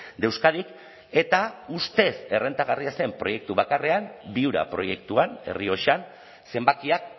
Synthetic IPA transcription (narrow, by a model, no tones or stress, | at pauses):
d̪e̞wskaðik | e̞t̪aust̪e̞se̞re̞nt̪aɣariase̞mpɾo̞je̞k̚t̪uβ̞akare̞ambiuɾa̰pɾo̞je̞kt̪uane̞̰rio̞ʃan | se̞mbakiak̚